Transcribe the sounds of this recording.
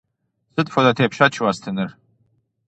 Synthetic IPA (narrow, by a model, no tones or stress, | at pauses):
sɨtʼfodatʰejpʰʃat͡ʃʰwastʰɨnɨr